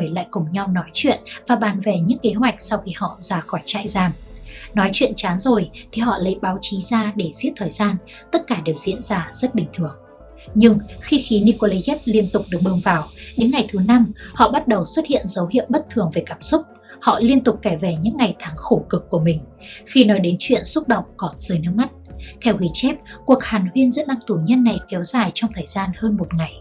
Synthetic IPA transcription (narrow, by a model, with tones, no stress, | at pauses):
jla̰ː˧˨jkʊ˨˩ŋ͡mɲa˧wnɔ˨˦jt͡ɕwḭ˧˨ənvaː˨˩ɓaː˨˩nve˨˩ɲɨ̰˧˥ŋke˨˦ɦwa˨˩jk̟̚sɔ˧wxi˧hɔ̰˧˨zaː˧˩xɔ˧˩jt͡ɕa̰ː˧˨jzaː˧˩mnɔ˨˦jt͡ɕwḭ˧˨nt͡ɕaː˨˦nzo˨˩jt̪ʰi˨˩ɦɔ̰˧˨lə̰˧˥jɓaː˨˦wt͡ɕi˨˦zaː˧ɗe˧˩zi˦˥ət̚t̪ʰəː˨˩jzaː˧n | t̪ə˦˥t̚kaː˧˩ɗe˨˩wzḭ˧˥ənzaː˧z̥ə˦˥t̚ɓï˨˩ŋ̟t̪ʰɨ˧˩əŋ | ɲɨ˧ŋxi˧xi˨˦ni˧ko˧li˧ʔɛ˦˥p̚li˧ənt̪ʊ˨˩k͡p̚ɗɨ˨˩ək̚ɓəː˧ŋvaː˨˩wɗe˨˦nŋa˨˩jt̪ʰɨ˨˦na˧mhɔ̰˧˨ɓa˦˥t̚ɗə˨˩wswə˦˥t̚hḭ˧˨ənzə˨˦wɦḭ˧˨əwɓə˦˥t̚t̪ʰɨ˨˩əŋve˨˩kaː˧˩msʊ˦˥k͡p̚ | hɔ̰˧˨li˧ənt̪ʊ˨˩k͡p̚kaː˧˩jve˨˩ɲɨ̰˧˥ŋːa˨˩jt̪ʰaː˨˦ŋxo˧˩kɨ˨˩kːu˧˩əmï˨˩ŋ̟ | xi˧nɔ˨˦jɗe˨˦nt͡ɕwḭ˧˨ənsʊ˦˥k͡p̚ɗə̰˧˨wŋ͡mkɔ˨˦nz̥ɨː˨˦jnɨ̰˧˥ma˦˥t̚t̪ʰɛ˧wɣi˨˦t͡ɕɛ˦˥p̚ku˨˩ək̚haː˨˩nhwi˧ənzə̰˦˥n̚ɗa˧ŋt̪u˧˩ɲə˧nːa˨˩jkɛ˨˦wz̥aː˨˩jt͡ɕɔ˧wŋ͡mt̪ʰəː˨˩jzaː˧nhəː˧nmo˨˩t̚ŋa˨˩j